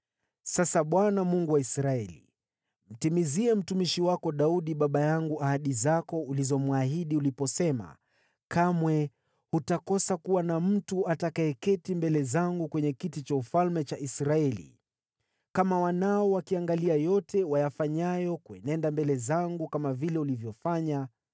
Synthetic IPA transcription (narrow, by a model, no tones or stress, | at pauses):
sasaɓwanamuŋɡuwaisɾaɛlḭ | m̩timiziɛm̩tumiʃiwakɔɗauɗiɓaɓajaŋɡuʔahaɗizakɔulizɔmuaɦiɗiulipɔsɛma̰ | kamwɛ | hutakɔsakuwanam̩tuatakaɛkɛtimbɛlɛzaŋɡukwɛɲɛkitit͡ʃaufalmɛt͡ʃaʔisɾaɛlḭ | kamawanaɔwakiaŋɡaliajɔtʰɛwajafaɲajɔkuɛnɛndambɛlɛzaŋɡukamavilɛulivjɔfaɲa